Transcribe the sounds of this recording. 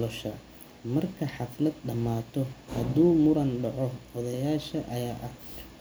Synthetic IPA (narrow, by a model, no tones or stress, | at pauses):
lɔʃɐ | mɐrkʰɐħɑflɐd̪̚ɖɐmaːt̪ʰɔhɐd̪uːmʊɾɐnɖɑʕɔɔðɐjaːʃɐʔɐjaːʔɐ